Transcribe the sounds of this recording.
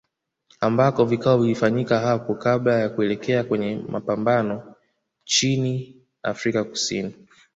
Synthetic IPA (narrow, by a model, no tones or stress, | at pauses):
ambakɔvikaɔvilifaɲikaɦapɔkablajakuɛlɛkɛakwɛɲɛmʔapambanɔ | t͡ʃini | a̰fɾikaku̥sḭni